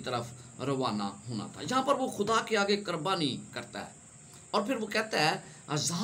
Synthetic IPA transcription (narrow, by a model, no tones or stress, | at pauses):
t̪əɾəpʰɾəʋaːna̰ːɦoːna̰ːt̪ʰa̰ːd͡ʒɪɦãːpəɾʋoːxʰʊd̪aːkeaːɡeːkəɾbaːniːkəɾt̪a̰ːɦɛ̰ː | ɔːɾpʰɪɾʋoːkɛːt̪aːɛː | za